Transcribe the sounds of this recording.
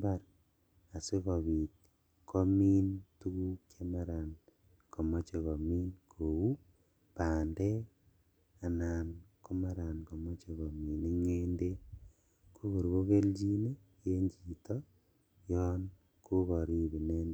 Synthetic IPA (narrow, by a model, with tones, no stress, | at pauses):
baɾ | a˨se˦ɣo˨βi˨t̪̚ | kʰo˦mi˦ntu˦ɣu˦kja˦ma˦ɾa˨n | ko˨mo˦t͡ʃe˨ɣo˨mi˦nkʰo˨u˦ | paː˨nde˦ | a˨na˨nko˦ma˦ɾa˨nko˨mo˦t͡ʃe˨ɣo˨mi˨ni˦ŋe˦nde˦ | kʰu˦ɣo˨ɾɣo˦ɣe˦ld͡ʒi˦ne˦ | je˦ɲd͡ʒi˨to˦ | jɔ˦n | kʰu˦βo˨ɾi˦βi˨ne˦nde